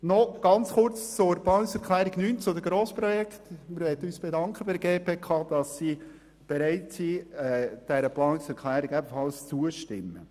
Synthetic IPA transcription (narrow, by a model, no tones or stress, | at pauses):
nɔɡ̥ɑnt͡sχʊrt͡st͡sʊɾbɑːnɪsɛɾklæːɾɪɡnyːnt͡sʊdəɡɾoːspɾɔjɛkχtmɪɾʋɛtəyːsb̥edɑŋkχəbɪɾəɡeːpʰeːkʰɑːd̥ɑsiː | b̥eɾæɪtsiːɛd̥ɛɾəplɑːnɪsɛɾkʰlæːɾiɡɛbənfɑlst͡suəʃtɪmːə̰